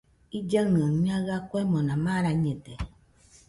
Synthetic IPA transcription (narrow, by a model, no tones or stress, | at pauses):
id͡ʒəŋnɨəŋmaɣakwɛmɔnamaɾaɲetɛ